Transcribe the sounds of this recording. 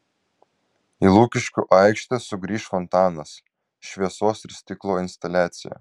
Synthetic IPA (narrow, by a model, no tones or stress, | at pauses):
ilˠuːkʲɪʃʲkʲʊʔɑˑɪkʃʲt̪ʲɛsʊɡɾʲiːʃfɔnt̪ɑːnɐs | ʃʲʋʲiɛsoːsɪɾsʲt̪ʲɪklˠoːɪnʲst̪ɐlʲæːt̪sʲɪjɛ̰